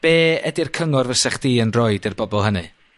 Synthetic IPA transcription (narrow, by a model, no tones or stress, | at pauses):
b̥eːɛdɪrkʰəŋɔrvəsɛχd̥iːənrɔjdɪrbɔbɔlˠɦənɨ̰